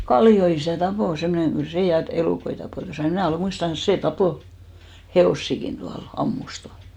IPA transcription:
kɑlːio isæˑ tɑpoˑ semːŏneŋ ɡ̊yl seˑ jɑ eluˑkoi tɑpoˑ jɑ mnæˑ oleˑ muistɑʋɑnɑs seˑ tɑpoˑ heoˑsːikin tuɑl ɑmːus tuɑl

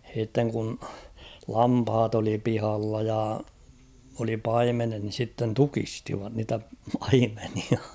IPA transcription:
h̞iˑtːeŋ kun lɑmphɑt oli pihɑlːɑ jɑ oli pɑimenet ni sitːen tukistiʋɑt niːtæ pɑimeniɑ

